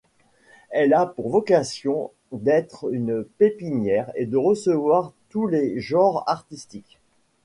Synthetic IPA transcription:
ɛlapuʁvɔkasjɔ̃ | d̪ɛt̪χynpepinjɛʁed̪əʁəsəvwaʁt̪uleʒɑ̃ʁa̰ʁt̪ist̪ik

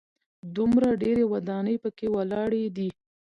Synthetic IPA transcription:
d̪umɾaɖeɾewad̪ɑnəjpəkewalɑɽed̪i

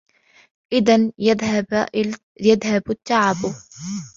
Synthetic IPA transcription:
ʔɪðanjad̪ | jaðhabat̪ːaʕab

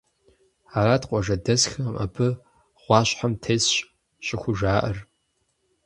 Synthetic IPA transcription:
aːɾaːtqʷʼɔʐɐdɐsxɐma̰bʰɨ | ʁ̥ʷɑːɕħamtʰeːsɕʼ | ɕʼɪxʷʊʒaːʔɐr

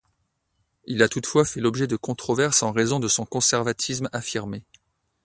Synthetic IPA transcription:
ilat̪ut̪fwafɛlɔbʒɛd̪əkɔ̃t̪χɔvɛʁsɑ̃ʁezɔ̃d̪əsɔ̃kɔ̃sɛʁvat̪ʰismafiʁme

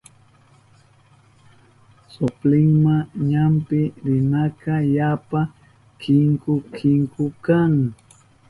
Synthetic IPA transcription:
sʊplɪŋmaɲampɪɾɪnakajapa | kɪŋkʊkʰɪŋkʊkaŋ

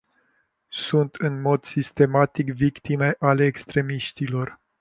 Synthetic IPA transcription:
sunt̪ɨnmo̞d̪sist̪e̞mat̪ikvikt̪ime̞ʔaleːkst̪ɾe̞miʃt̪ilo̞r

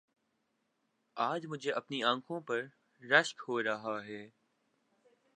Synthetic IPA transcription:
aːd͡ʑmʊd͡ʒʱeʔɐpniãːŋkʰõːpɐɾ | ɾɐʃkɦoːɾɐɦaɦeː

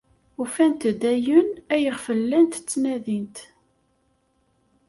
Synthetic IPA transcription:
ufænt̪d̪æjənæjəʁfəlːænt̪ə̥t͡sːnæðint̪

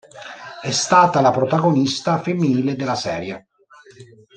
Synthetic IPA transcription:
ɛst̪aːt̪alapɾot̪aɡonist̪afemːiniːled̪elːasɛːɾja

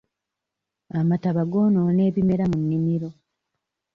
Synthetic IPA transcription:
amataβaɡo̞ːnoːne̞ːβime̞ɾamunːimiɾo̞

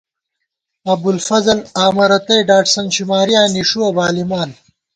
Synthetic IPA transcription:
ɐb̪ulfɐzɐlaːmɐɾɐt̪ɐjɖaːʈsɐnɕimaːɾijaːniʂuɐbaːlimaːn

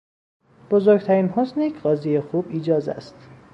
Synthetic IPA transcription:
b̥ozoɾɡ̚t̪ʰæɾiːnhosnjecʰɢɒːzijexuːbiːd͡ʒɒːzæ̰st̪

